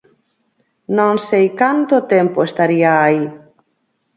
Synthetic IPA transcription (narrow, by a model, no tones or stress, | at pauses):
nõŋsejkant̪ʊt̪empoest̪aɾiaːi